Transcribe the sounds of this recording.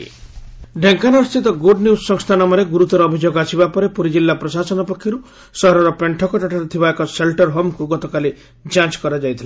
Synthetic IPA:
ɖʱeŋkanɔst̪ʰit̪ɔɡoɖniussɔŋst̪ʰanɔmɔɾeɡuɾut̪ɔɾɔːbʱid͡ʒoɡasibapɔɾepuɾid͡ʒilːapɾɔsasɔnɔpɔkʰːjɔɾu | sɔɦɾɔɾɔpeɳʈʰɔkɔʈaʈaɾɔt̪ʰibaekɔselʈɔɾɦomkuɡɔt̪ɔkali | d͡ʒãt͡ʃkɔɾad͡ʒajt̪ʰila

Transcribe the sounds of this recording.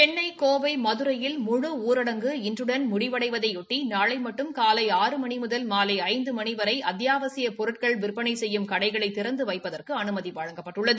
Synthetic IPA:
t͡ʃɛnːɐɪkoːʋɐɪmɐðɯɾɐjɪlmʊɻɯuːɾɐɽɐŋɡɯɪndrɯɽɐnmʊɽɪʋɐɽɐɪʋɐðɐɪʊʈːinaːɭɐɪmɐʈːɯmkaːlɐɪaːɾɯmɐnimʊðɐlmaːlɐɪɐɪnd̪ɯmɐniʋɐɾɐɪʔɐd̪jaːʋɐsɪjɐpɔɾɯʈ̚kɐɭʋɪrpːɐɳɐɪsɛjːɯmkɐɽɐɪɣɐɭɐɪt̪ːɪɾɐnd̪ɯʋɐɪpːɐðɐrkɯɐnɯmɐðiʋɐɻɐŋɡɐpːɐʈːɯɭːɐðɯ

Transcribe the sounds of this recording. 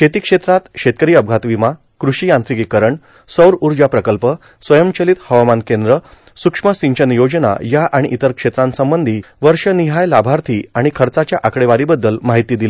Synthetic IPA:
kʰet̪iːkʂet̪ɾat̪ɕet̪̚kəɾiːəb̚ɡʱat̪ʋima | kɾuʂijãnt̪ɾikikəɾəɳ | səwɾuɾd͡ʑapɾəkəlpə | sʋəjəmt͡ɕəlit̪həʋamankẽnd̪ɾə | sukʂməsiɲt͡ɕənjod͡ʑna̰jaʔaɽ̃iʔit̪əɾkʂet̪ɾãnsəmbənd̪ʱi | ʋəɾʂəniɦajlabʱaɾt̪ʰiːaɽ̃ikʰəɾt͡sat͡ɕjaʔakɽeʋaɾibəd̪ːəlmaɦit̪iːd̪il

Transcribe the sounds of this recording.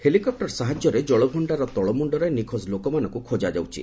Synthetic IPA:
helikɔp̚ʈɔɾsaɦad͡ʒjɔɾed͡ʒɔɭɔbʱuɳɖaɾɔt̪ɔɭɔmuɳɖɔɾajnikʰɔslokɔmanɔ̃ŋkukʰod͡ʒad͡ʒa̰wt͡ʃʰḭ

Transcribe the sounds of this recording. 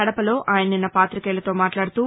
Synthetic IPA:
ɐɽɐpɐlo̞ːʔaːjɐnɐninːɐpaːt̪ɾikɛːlɐt̪o̞ːmaːʈlaːɽut̪uː

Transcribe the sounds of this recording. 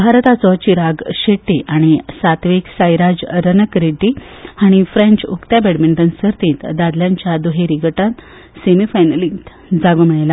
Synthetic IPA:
bʱaɾt̪at͡sɔt͡ɕiɾaɡɕeʈːiʔaɽ̃isat̪ʋiksajɾad͡ʑɾənəkɾeɖihaɽ̃ifɾẽɲt͡ɕukt̪jabeɽmiɳʈənsəɾt̪ĩːt̪d̪ad̪ljãɲt͡ɕjad̪uɦeɾiɡəʈat̪ | semifajnəlĩt̪ | d͡zaɡomiɭla

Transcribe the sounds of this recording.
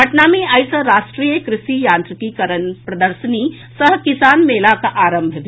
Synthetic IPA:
ɐʈnaːmiajsɐɾaːsʈɾiːjəkɾɪʃijaːnt̪ɾikikɐɾənpɾɐd̪əɾsəniː | səɦkisaːnmeːlakaʔaːɾɐmbʱɐʋi

